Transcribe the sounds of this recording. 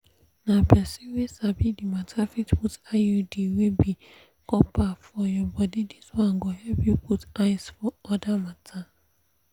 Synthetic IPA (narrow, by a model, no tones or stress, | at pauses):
nãbasĩwesabidimãtʰafitputajudiwebi | kʰɔpʰafɔjɔbɔdidiswãŋɡohɛpjuputaɪsfɔɔdamatʰa